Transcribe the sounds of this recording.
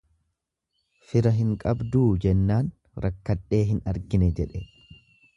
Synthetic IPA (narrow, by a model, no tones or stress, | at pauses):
fɪɾɐɦɪŋkʼɐbd̪uːd͡ʒɛnːaːn | ɾʔɐkːɐᶑe̞ːɦɪnɐɾɡɪnɛd͡ʒɛᶑɛ